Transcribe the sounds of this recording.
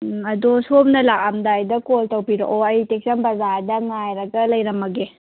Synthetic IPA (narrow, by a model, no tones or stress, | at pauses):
ɐdosop̚nɐlak̚amdajdɐkoltɐwpiɾo̰ʔoɐjtek̚sɐnbɐzaɾdɐŋajɾɐɡɐlɐjɾɐmɐɡe